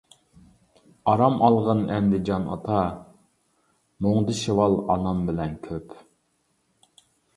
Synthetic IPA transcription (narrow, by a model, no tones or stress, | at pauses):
ɑɾɑmʔɑlˠʁənɛnd̪ɪd͡ʒɑnɑ̰t̪ʰɑ | moŋd̪ɨʃewɑlˠɑnɑmbɪlɛnkʲʰøp